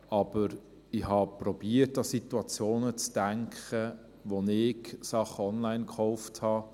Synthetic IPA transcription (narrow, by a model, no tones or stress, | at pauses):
ɑb̥əɾ | ɪhɑpɾɔb̥iətɑsituɑt͡sjoːnət͡sd̥æŋkχə | ʋonɪksɑχəɔnlaɪnkχɔʊfthɑ